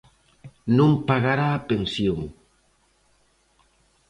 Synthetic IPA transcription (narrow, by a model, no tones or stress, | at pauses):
nũmpaɣaɾaːpensjoŋ